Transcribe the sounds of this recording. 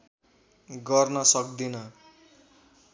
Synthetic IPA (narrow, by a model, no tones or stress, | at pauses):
ɡʌrnʌsʌkd̪inʌ